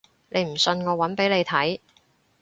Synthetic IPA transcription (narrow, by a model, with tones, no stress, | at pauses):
ne˨˧jm̩˨˩sɵ˧nŋɔː˨˧wɐ˨˥npe˨˥le˨˧jt̪ʰɐ˨˥j